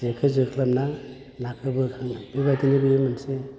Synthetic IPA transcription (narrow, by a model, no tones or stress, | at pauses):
ekʰɯzɯkʰɯlamna | nakʰɯbɯkʰaŋibajtinibɯjɯmanse